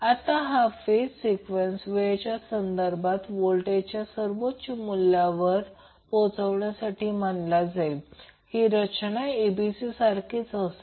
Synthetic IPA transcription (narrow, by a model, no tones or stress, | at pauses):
at̪aɦafessikʋensʋet͡ɕjasənd̪əɾbat̪ʋolʈet͡ɕjasəɾʋotɕimulːjaʋəɾ | pot͡səʋɳjasaʈiːmaɳlad͡zajlhiːɾət͡ɕɳaibisisaɾkʰiːt͡səs